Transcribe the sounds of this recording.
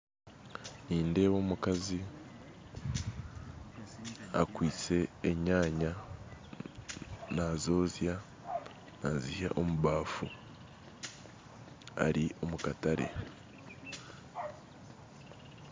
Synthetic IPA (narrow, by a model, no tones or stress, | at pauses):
niːnde̞wo̞ːmukazi | a̰kwiːt͡se̞ːɲaːɲa | nazo̞ːzja | naziha̰ʔo̞muβaːfu | a̰ɾio̞mukataɾe̞̰